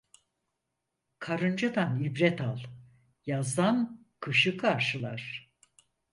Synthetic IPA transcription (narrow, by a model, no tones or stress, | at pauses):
kʰaɾɯnd͡ʒad̪anibɾɛt̪ʰalˠ | jazd̪an | kʰɯʃɯkʰaɾʃɯlˠaɾ̥